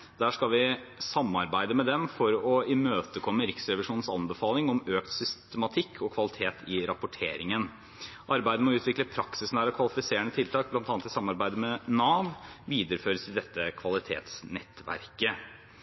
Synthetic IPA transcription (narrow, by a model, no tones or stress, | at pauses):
d̪̥æːʂkɑlʋɪsɑmːɑɾbæɪd̪əmɛd̪ɛmfɔɾɔɪmøːt̪əkʰɔmːəɾɪksɾɛʋɪʂuːnn̩sɑ̰nbəfɑːlɪŋɔmøːkt̪sʏst̪əmɑt̪ʰɪkʰːɔkʰʋɑlɪt̪ʰeːt̪ʰɪɾɑpːʊʈʰḛːɾɪŋən | ʔɑɾbæɪd̪əmɔʉːt̪ʰʋɪkləpʰɾɑksɪsn̩æːɾɑkʰʋɑlɪfɪseːəɳət̪ʰɪlt̪ʰɑːk̚blɑnt̪ɑnt̪ɪsɑmːɑɾbæɪd̪əmɛnɑːʋʋiːd̪əɾəføːɾəsɪd̪ɛt̪ːəkʰʋɑlɪt̪ʰḛːt̪snɛt̪ːʋæ̰ɾkə